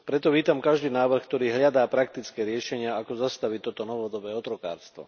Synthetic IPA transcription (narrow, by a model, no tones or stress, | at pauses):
pɾɛt̪ɔʋiːt̪amkaʒd̪iːnaːʋr̩xkt̪ɔɾiːɦlʎad̪aːpɾak̚t̪it͡skɛːɾɪɛʃɛɲɪaakɔzast̪aʋit̪ɔt̪ɔnɔʋɔd̪ɔbɛːɔt̪ɾɔka̰ːɾst̪ʋɔ̰